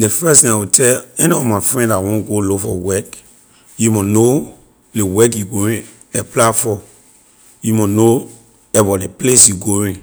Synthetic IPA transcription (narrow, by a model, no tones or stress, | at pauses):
defɛstĩawitɛlɛniɔfmafɹɛ̃ndawɔ̃nɡolofɔwɛk | jumɔno | lewɛkjuɡoɹĩ | ɛplafɔ | jumɔno | ɛbɔleplesjuɡoɹĩ